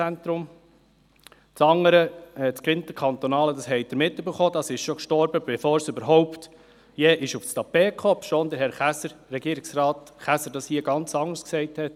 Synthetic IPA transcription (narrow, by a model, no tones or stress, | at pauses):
ænt̪ɾʊm | t͡sɑŋəɾət͡skɪnt̪əkʰɑnt̪ɔnɑːləd̪ɑsɦɛɪd̪̥əɾmɪtːøbəɾχoːd̪ɑsɪʃʃɔkʃtɔɾbəbɛfoːɾsøbəɾɦɔʊpt̪ | jɛːʔɪʃʊfstɑpeːkʰχɔpʃoːnd̪əɾɦɛɾχæsəːɛɡiːɾɪɡsɾɑːtχæsəɾdɑshiəɡɑnt͡sɑŋəsksɛɪthɛt